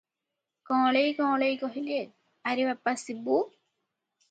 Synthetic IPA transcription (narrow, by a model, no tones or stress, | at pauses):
kɔ̃ːlejkɔ̃ːlejkɔɦile | aɾibapːasibu